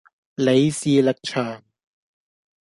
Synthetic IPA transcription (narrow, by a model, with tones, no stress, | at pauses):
le˨˥jsiː˧lɐ˨˩k̚t͡ʃʰœː˨˩ŋ